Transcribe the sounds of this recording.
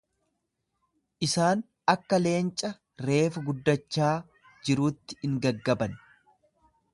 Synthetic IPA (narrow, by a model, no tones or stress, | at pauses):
ʔɪsaːn | ɐkːɐle̞ːnt͡ʃʼɐ | ɾe̞ːfɐɡʊd̪ːɐt͡ʃːaː | d͡ʒɪɾuːt̪ːɪ̥ɪŋɡɐɡːɐbɐn